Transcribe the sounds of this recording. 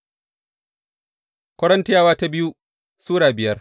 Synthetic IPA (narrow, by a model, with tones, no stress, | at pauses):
kʷɐ˦ɽɐ˦nti˦jaː˦˨waː˦ta˦bɪ˦ju˦ | suː˦ɽaː˨bɪ˨jɐ˦r